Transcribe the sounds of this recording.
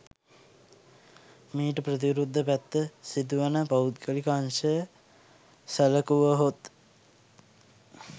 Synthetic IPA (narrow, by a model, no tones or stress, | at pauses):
miːʈəpɾət̪̬iʋɾud̪ʱːəpæt̪ːəsid̪uʋanəpaut̪̚ɡəlikanʃə | sələkuʋəɦot̪